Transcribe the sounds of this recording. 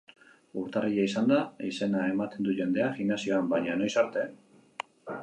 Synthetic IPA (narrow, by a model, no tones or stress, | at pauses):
uɾt̪ariʎaisand̪aise̞nae̞mat̪e̞nd̪uʝe̞nd̪e̞axinasio̞ambaɲano̞jsaɾt̪e̞